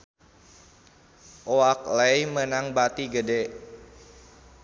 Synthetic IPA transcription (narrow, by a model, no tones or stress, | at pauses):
ʔoak̚ləjmənaŋbat̪iɡəde